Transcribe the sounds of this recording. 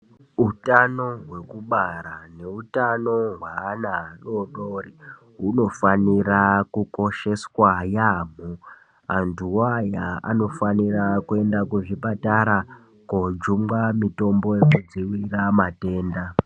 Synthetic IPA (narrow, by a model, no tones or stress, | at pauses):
utano̞ɦwe̞kuɓaɾane̞utanoɦwaːnaroɗori | uno̞fanirakuko̞ʃe̞swajaːm̤u | antʰuwajaa̰no̞fanirakue̞ndakuʐipataɾa | kod͡ʒumɡamito̞mbo̞je̞kud͡ziwiramate̞ːnda